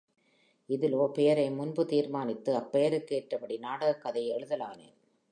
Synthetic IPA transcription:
ɪðɪloːpɛjɐɾɐɪmʊnbɯt̪iːɾmaːnɪt̪ːɯɐpːɛjɐɾɯkːeːʈrɐpɐɽinaːɽɐɣɐkːɐðɐɪɛɻɯðɐlaːnḛː

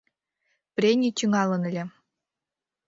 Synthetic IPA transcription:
prʲenʲit̪ʲyŋɑlɤ̆nɘ̆lʲe

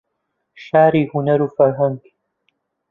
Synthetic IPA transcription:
ʃaːɾiːhunɐɾufɐɾɦaŋɡ

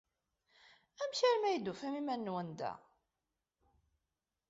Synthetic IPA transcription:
æmçæɾmæjd̪ufæmimænːwənd̪æ̰

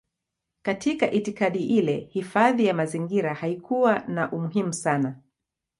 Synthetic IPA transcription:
katʰikaʔitikaɗiʔilɛhifaðijamaziŋɡiɾahaikuwanaʔumuɦimusana

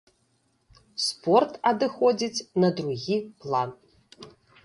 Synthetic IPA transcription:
spɔrt̪ɐd̪ɨxɔd͡zʲit͡sʲnɐd̪ɾuɣʲiplˠan

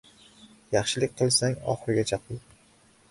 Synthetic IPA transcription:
jɑχʃɪlɪk̚ʲqʰɨlˠsaŋɒ̰χɨɾɪɡʲat͡ʃʰɑqɪ

